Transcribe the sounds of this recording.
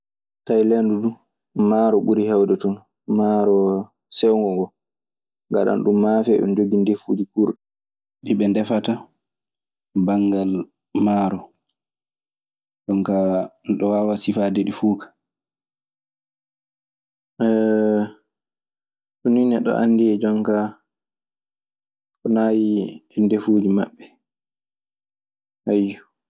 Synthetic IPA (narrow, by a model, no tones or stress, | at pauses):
tajlendudu | maɾɔɓuɾihɛwdɛtun | maɾɔ | sɛwŋɡɔŋɡɔ | ŋɡaɗa̰nɗumːafɛɗṵnd͡ʒoɡindefuːd͡ʒikuɾɗɛ | ɗiɓɛndɛfata | baŋɡal | maɾɔ | ɗɔŋkaɗɔwaːwasifadɛɗifuːkḁ | ɛ | ɗuninɛɗɔ̰ʔa̰nːdiɛd͡ʒɔŋka | kɔnaːjiɛndefud͡ʒimaɓːɛ | hajːu